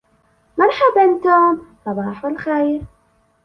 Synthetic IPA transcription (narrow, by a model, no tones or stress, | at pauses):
manħabɪnt̪ʊːmsˤɑbɑːħwɪlxejɾ